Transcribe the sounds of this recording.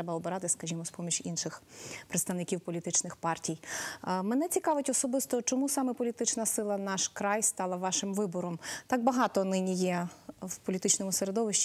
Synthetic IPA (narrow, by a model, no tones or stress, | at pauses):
ɛbɐɔbɪɾɑt̪ɪskɐʒʲimɔspɔmʲit͡ʃʲinʃɪxpɾet̪st̪ɐʋnɪkʲiwpɔlʲit̪ɪt͡ʃnɪxpɑrtʲijmenɛt͡sʲikɑʋɪtʲɔsɔbɪst̪ɔt͡ʃɔmusɑmɛpɔlʲit̪ɪt͡ʃnɐsɪlˠɐnɑʃkɾɑjst̪ɑlˠɐʋɑʃɪmʋɪbɔɾɔmt̪ɑɡ̚bɐɦɑt̪ɔnɪnʲijɛwpɔlʲit̪ɪt͡ʃnɔmʊseɾed̪ɔʋɪʃt͡ʃ